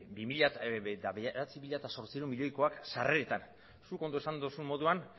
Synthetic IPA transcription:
bimiʎaet̪aβeɾat͡simiʎat̪aso̞ɾt͡siɾumiʎo̞jko̞aksareɾet̪an | suko̞nd̪ue̞sand̪usummo̞ðuan

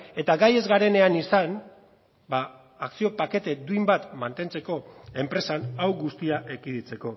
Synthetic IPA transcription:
e̞t̪aɡaje̞zɣaɾe̞ne̞anisan | baː | ksio̞pake̞t̪e̞d̪uimbat̪mant̪e̞nt͡se̞ko̞e̞mpɾe̞sanawɡust̪iaʔekiðit͡se̞ko̞

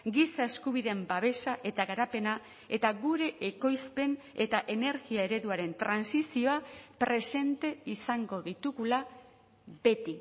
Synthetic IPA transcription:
ɡisae̞skuβ̞iðe̞mbaβ̞e̞saʔe̞t̪aɣaɾape̞na | e̞t̪aɣuɾe̞ʔeko̞jzpe̞ne̞t̪aʔe̞ne̞ɾɣiae̞ɾe̞ðuaɾe̞nt̪ɾansisio̞apɾe̞se̞nt̪e̞isaŋɡo̞ðit̪uɣula | βe̞t̪i

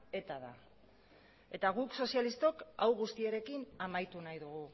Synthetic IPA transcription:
e̞t̪aða̰ | e̞t̪aɣukso̞sijalist̪o̞kawɣust̪iaɾe̞kinamajt̪unajðuɣu

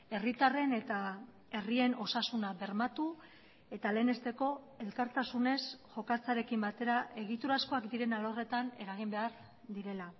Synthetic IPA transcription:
e̞rit̪are̞ne̞t̪a | e̞rie̞no̞sasunaβe̞ɾmat̪u | e̞t̪ale̞ːne̞st̪e̞ko̞ | e̞lkaɾt̪asune̞sʝo̞kat͡saɾe̞kimbat̪e̞ɾaʔe̞ɣ̞it̪uɾasko̞akd̪iɾe̞nalo̞re̞t̪ane̞ɾaɣ̞imbe̞aɾ | d̪iɾe̞la

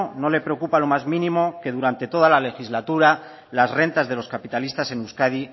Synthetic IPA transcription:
no̞le̞pɾeokupalo̞mazmĩnĩmo̞ke̞ð̞uɾant̪e̞t̪o̞ð̞alale̞xizlat̪uɾa | lazre̞nt̪azðe̞lo̞skapit̪alist̪ase̞nuskaði

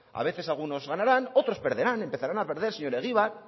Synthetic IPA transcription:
a̰β̞e̞θe̞salɣ̞uno̞zɣanaɾano̞t̪ɾo̞spe̞ɾð̞eɾane̞mpe̞θaɾanape̞ɾð̞e̞ɾseɲo̞ɾeɣ̞iβaɾ

